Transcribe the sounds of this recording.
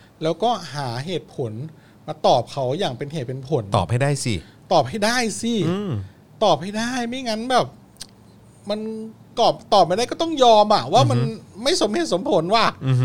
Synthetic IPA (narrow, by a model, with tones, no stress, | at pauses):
lɛː˦˥wkɔː˥˩ɦaː˩˦ɦeː˨˩t̪̚pʰo˩˦n | maː˧t̪ɔː˨˩p̚kʰa˦˥wjaː˨˩ŋpe˧nheː˨˩pe˧npʰo˨˩˦nɔː˨˩p̚ha˥˩daː˥˩jsḭ˧˩ | t̪ɔː˨˩p̚ha˥˩jdaː˥˩jsi˧˩˧ | t̪ɔː˨˩p̚ha˥˩jdaː˥˩jmi˥˩ŋa˦˥nbɛː˨˩p̚ | ma˧n | kɔː˨˩p̚t̪ɔː˨˩p̚a˧ɾa˥˩kɔː˥˩t̪ɔ˥˩ŋjɔː˧mʔa˨˩waː˥˩ma˧nma˥˩jso˩˦mheː˨˩t̪̚so˩˦mpʰo˨˩˦nwaː˧˩˧